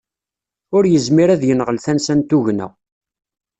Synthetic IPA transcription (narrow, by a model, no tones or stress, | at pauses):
ʊɾjəzmiɾæðjənʁəlθænsænt̪uʝnæ̰